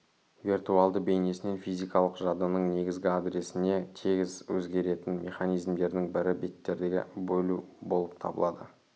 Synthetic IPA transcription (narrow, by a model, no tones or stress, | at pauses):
virt̪ualˠd̪əbe̞jne̞sɪne̞nfijzʲijkɑlˠəqʒɑd̪ənəɴne̞ɡʲɪzɡʲɪad̪ɾe̞sɪne̞t̪ʰeɡʲɪzwɵzɡʲe̞ɾe̞t̪ɪnmʲʔe̞χɑnijzmd̪e̞ɾd̪ɪŋbɪɾɪbe̞t̪ːe̞ɾd̪eɡʲɪ̰bɵlubo̞lˠəp̚t̪ʰɑ̰bə̰lˠɑd̪ə̰